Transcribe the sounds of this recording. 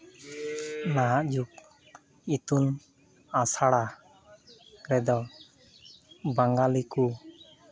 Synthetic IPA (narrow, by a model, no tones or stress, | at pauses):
naɦaʔd͡ʒuk̚ | it̪un | asaɽa | ɾɛd̪ɔ | baŋɡaliku